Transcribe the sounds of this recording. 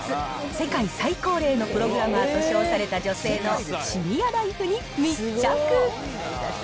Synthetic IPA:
ɨse̞kaisaiko̞ːɾe̞ːno̞pɯ̟ɾo̞ɡɯ̟ɾamɯat̪o̞ɕo̞ːsaɾe̞t̪ad͡ʑo̞se̞ːno̞ɕiɲʲijad̪aiɸɯ̟ɲ̟i | mit͡ɕakɯ

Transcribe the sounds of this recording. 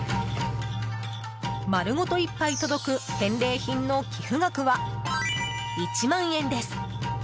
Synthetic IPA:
maɾɯ̟ŋo̞t̪o̞ipːait̪o̞d̪o̞kɯ̟t̪ẽ̞nɾe̞ːçĩnːo̞kʲʰiɸɯ̟ɡakɯ̟βa | it͡ɕimãɰ̃ẽ̞nd̪e̞sɨ̥

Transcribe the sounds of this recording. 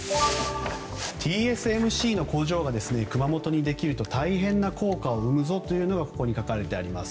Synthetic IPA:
t̪ʰʲiːesɨe̞mɯ̟ɕiːno̞ko̞ːʑo̞ːɡad̪e̞sɨne̞kɯ̟mamo̞t̪o̞ɲ̟id̪e̞kʲiɾɯ̟t̪ot̪aiɦẽ̞nːakʰo̞ːkao̞ɯ̟mɯ̟zo̞t̪o̞jɯ̟ːno̞ɡako̞̥ko̞ɲ̟ikakaɾe̞t̪e̞aɾʲimasɨ̥

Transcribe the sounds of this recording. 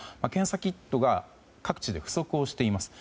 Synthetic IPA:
makẽ̞ɰ̃sakʲit̪ːo̞ɡa | kakɯ̟̥t͡ɕid̪e̞ɸɯ̟̥so̞kɯ̟o̞ɕi̥t̪e̞imasɨ̥

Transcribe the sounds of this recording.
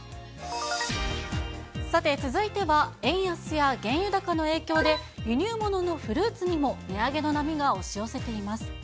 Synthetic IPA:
sat̪e̞t͡sɨzɨit̪e̞βaẽ̞ɰ̃jasɨjaɡẽ̞ɰ̃jɯ̟d̪akano̞e̞ːkʲo̞ːd̪e̞jɯ̟ɲ̟ʲɨːmo̞no̞no̞ɸɯ̟ɾɯːt͡sɨɲ̟imo̞mʲiaɡe̞no̞namʲiɡaoɕio̞se̞t̪e̞imasɨ̥

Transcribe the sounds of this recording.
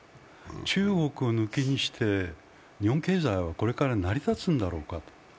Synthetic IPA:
t͡ɕɨːɡo̞kɯ̟onɯkeɲ̟iɕi̥t̪ʰe̞ | ɲ̟ihõŋke̞ːzaiβako̞ɾe̞kaɾanaɾʲit̪at͡sɨ̃nd̪aɾo̞ːkat̪o̥

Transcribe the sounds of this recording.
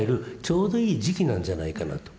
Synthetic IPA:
eɾɯ̟t͡ɕo̞ːd̪o̞iːʑikʲinãɲ̟d͡ʑanaikana̰t̪o̥

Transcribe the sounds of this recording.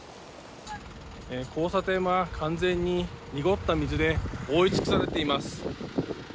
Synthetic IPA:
ekʰo̞ːsat̪e̞akʰãnd͡zẽ̞ɲ̟ːiɲ̟iɡo̞t̪ːamʲizɨd̪e̞oːit͡ɕi̥kɯ̥saɾe̞t̪e̞imasɨ̥

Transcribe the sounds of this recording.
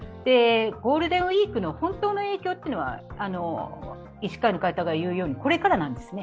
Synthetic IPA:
d̪̥e̞ɡo̞ːɾɯ̟d̪ẽɰ̃oiːkɯ̟no̞hõ̞nt̪o̞ːno̞e̞ːkʲoːt̪ːeɯno̞βa̰ano̞ | iɕi̥kainokait̪aɡaijɯ̟ːjo̞ːɲ̟iko̞ɾe̞kaɾanãnd̪e̞sɨne̞

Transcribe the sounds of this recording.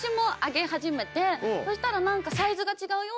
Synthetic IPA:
ɕimo̞aɡe̞haʑime̞t̪e̞so̞ɕi̥t̪aɾanãŋkasaizɨɡat͡ɕiɡaɯ̟jo̞ː

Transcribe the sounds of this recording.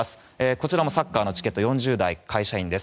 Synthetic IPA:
sɨ̥ | eːko̞t͡ɕiɾamo̞sakːaːno̞t͡ɕi̥ke̞t̪ːojõ̞ɲ̟d͡ʑɨːd̪aikʰaiɕaĩnd̪e̞sɨ̥

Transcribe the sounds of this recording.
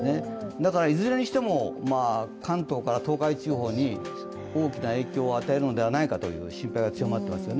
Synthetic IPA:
ne̞d̪akaɾaizɨɾe̞ɲ̟iɕi̥t̪e̞mo̞maːkãnt̪o̞ːkaɾat̪o̞ːkait͡ɕɨːɦo̞ːɲ̟i | o̞ːkʲinae̞ːkʲo̞ːat̪ae̞ɾɯ̟no̞d̪e̞β̞anaikat̪o̞̰jɯ̰ːɕĩmpaiɡat͡sɨjo̞mat̪ːe̞masɨjo̞ne

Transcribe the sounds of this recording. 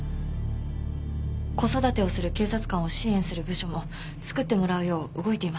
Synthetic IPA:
ko̞so̞d̪at̪e̞o̞sɨɾɯ̟ke̞ːsat͡sɨ̥kãɰ̃o̞ɕĩẽ̞ɰ̃sɨɾɯ̟bɯ̟ɕo̞mo̞ | t͡sɨ̥kɯ̟t̪ːe̞mo̞ɾaɯ̟jo̞ːɯɡo̞it̪e̞ima

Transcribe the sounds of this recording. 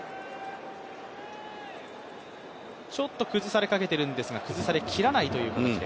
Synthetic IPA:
t͡ɕo̞t̪ːo̞kɯ̟zɨsaɾe̞kake̞t̪e̞ɾɯ̟̃nd̪e̞sɨɡakɯ̟zɨsaɾe̞kʲʰiɾanait̪o̞jɯ̟ːkat̪at͡ɕid̪e

